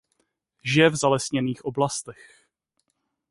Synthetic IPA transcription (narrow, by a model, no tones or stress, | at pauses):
ʒɪɛvzalɛsɲɛniːxʔoblast̪ɛx